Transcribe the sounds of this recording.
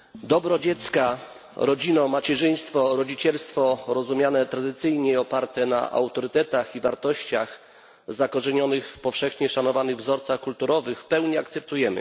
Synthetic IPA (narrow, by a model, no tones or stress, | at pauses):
d̪ɔbɾɔd͡ʑɛt̪ska | ɾɔd͡ʑinɔmat͡ɕɛʐɘj̃st̪fɔɾɔd͡ʑit͡ɕɛlst̪fɔɾɔzumʲjanɛt̪ɾad̪ɘt̪sɘjɲɛɔpaɾt̪ɛna̰ʔa̰wt̪ɔɾɘt̪ɛt̪axivaɾt̪ɔɕt͡ɕa̰x | zakɔʐɛɲɔnɘxfpɔfʂɛxɲɛʂanɔvanɘɣvzɔɾt̪saxkult̪uɾɔvɘxfpɛwɲiakt̪sɛp̚t̪ujɛmɘ̰